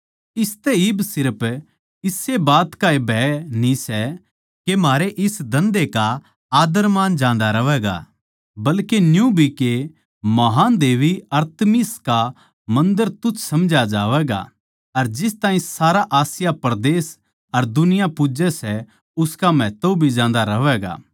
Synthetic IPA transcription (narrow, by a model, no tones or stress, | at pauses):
ɪst̪ɛɪbsɪɾəp | ɪsːebaːt̪kaebʱɛːnĩsɛ | kemaːɾeʔɪsd̪ɐ̃nd̪eka | aːd̪əɾmaːnd͡ʒãːnd̪aɾɐʋɛːɡa̰ | bɐlkenjũbʱike | mɐɦaːnd̪eːʋiɐɾt̪miska | mɐ̃nd̪əɾt̪ʊt͡ʃʰsɐmd͡ʒad͡ʒaːʋɛːɡa̰ | ɐɾd͡ʒɪst̪aːĩsaːɾaʔaːsɪjapɾd̪eːs | ɐɾd̪ʊnɪjapʊd͡ʒɛsɛ | ʊskamɛːt̪obʱid͡ʒãːnd̪aɾɐʋɛːɡa̰ː